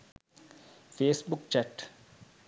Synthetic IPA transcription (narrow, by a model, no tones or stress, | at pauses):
feːsbukt͡ʃɛʈ